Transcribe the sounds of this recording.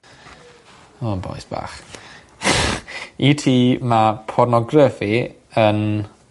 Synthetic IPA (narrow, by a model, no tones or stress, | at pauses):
oənbɔ̰ɨsb̥a̰ːχ | itʰiːmapʰɔrnɔɡrəfi | ən